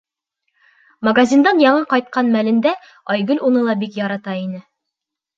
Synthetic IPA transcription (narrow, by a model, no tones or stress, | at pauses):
mɐɡazʲind̪ɑnjɑɴɤqɒjt̪̚qɑnmælɘ̆nd̪æ | ɒjɡɵlʲunɤlˠɑbikjɒɾɑt̪ɑinɘ